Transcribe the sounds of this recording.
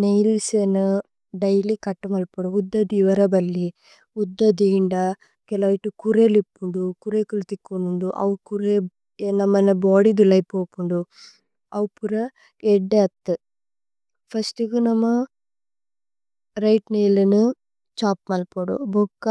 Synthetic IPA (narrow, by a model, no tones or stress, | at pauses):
nejlsenu | ɖɐjlikɐʈːumɐlpoɽuud̪ːɐd̪iːʋɐɾɐbɐlːi | ud̪ːɐd̪iːɳɖɐ | kɛlɐiʈːukuɾelipːuɳɖukuɾekult̪ikːunuɳɖuʔɐ̰ʋukuɾe | nɐmːɐnɐboːɽid̪ulɐjpoːpuɳɖu | ɐwpuɾɐ | ɛɖːeɐt̪ːɨ | pʰɐsʈuɡunɐmːɐ | ɾɐjʈnejlɐnu | t͡ʃaːp̚mɐlpoɽṵbokːɐ